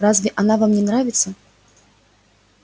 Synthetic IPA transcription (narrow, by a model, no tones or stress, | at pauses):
ɾazvʲɛʔanavamnʲɛnɾavʲit̪sːɐ